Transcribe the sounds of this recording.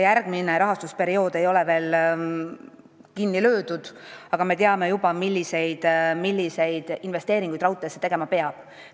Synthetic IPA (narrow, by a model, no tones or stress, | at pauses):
jærɡ̥̚mine̞ɾɑɦɑst̪uspe̞ɾio̞ːd̪e̞jo̞leve̞ːl | kinːilø̞ːd̪ud̪̥ɑɡ̥ɑme̞t̪eɑme̞jubɑmilʲːise̞jd̪̥milʲːise̞jd̪̥inve̞st̪e̞ːɾiŋɡujd̪rɑuwt̪ˑesːet̪e̞ɡ̥e̞mɑpe̞ɑb̥